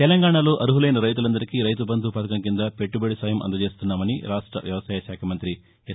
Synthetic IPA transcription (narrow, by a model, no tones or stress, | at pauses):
t̪elɐŋɡaːɳalo̞ːʔɐɾuɦulɐjnɐɾɐjt̪̬ulɐnd̪ɐɾikiɾɐjt̪ubɐnt̪upɐt̪ɐkɐmkind̪ɐpe̞ʈːubeɽisaːjɐmʔɐ̰nd̪ɐt͡ʃe̞ːst̪unːaːmɐniɾaːʂʈɾɐ̰ʋjɐʋɐsaːjɐʃaːkʰɐmɐnt̪ɾi